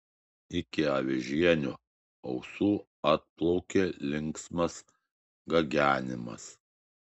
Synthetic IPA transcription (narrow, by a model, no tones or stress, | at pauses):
ɪkʲɪɐʋʲɪʒʲiɛnʲʊ | ɐʊsuː | ɐt̪̚plˠɔʊkʲeːlʲɪŋksmɐs | ɡɐɡʲæːnʲɪmɐ̰s